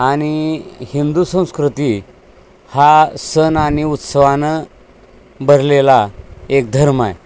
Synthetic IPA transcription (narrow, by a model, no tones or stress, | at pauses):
aɽ̃ihind̪usə̃w̃skɾut̪i | hasənaɽ̃iut̪səʋanə | bʱəɾlelaek̚d̪ʱəɾmaj